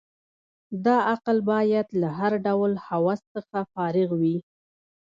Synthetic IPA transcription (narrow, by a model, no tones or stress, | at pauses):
d̪ɑaqlbɑjad̪laɦaɾɖawlhawɑsːəxafɑɾɪɣwi